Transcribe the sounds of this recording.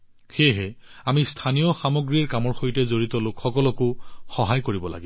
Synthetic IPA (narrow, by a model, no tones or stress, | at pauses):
xeɦɛamistʰanijɔxamoɡɹiaɹkamɔɹxojtɛzoɹitɔlokxɔkɔlɔkʊxɔɦajkoɹibɔla̰ɡi